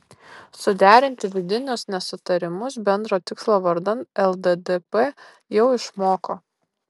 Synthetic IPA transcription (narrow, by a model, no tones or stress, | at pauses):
sʊd̪ʲæːɾʲɪnʲt̪ʲɪʋʲɪd̪ʲɪnʲʊsnʲɛsʊt̪ɐɾʲɪmʊs̬bʲɛnd̪ɾoːt̪ʲɪkslˠoːʋɐɾd̪ɐnt̪ɛlˠd̪ɛd̪ɛpɛ | jɛʊɪʃmoːkoː